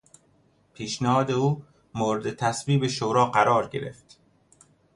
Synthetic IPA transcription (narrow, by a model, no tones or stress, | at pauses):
pʰiːʃnæhɒːd̪e̞uː | moːɾed̪et̪ʰæsviːbeʃoɾɒːɢæɾɒːɾɟe̞̰ɾḛft̪